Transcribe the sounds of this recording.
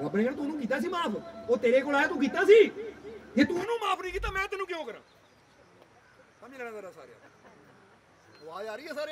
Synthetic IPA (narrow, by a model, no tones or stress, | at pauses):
əbnẽːə̃nt̪aːnũːk̬iːt̪aːs̬iːmaːpʰoːt̪eːɾeːkoːlaːjːt̪ũːk̬iːt̪aːsiːd͡ʒeːt̪unũːmaːpʰnĩːkiːt̪aːmɛ̃ːt̪enũːkjõːkəɾãː | t̪amiːlɛːnãːzəɾaːsa̰ːɾeja̰ː | aːaːɾiːɛːsaːɾ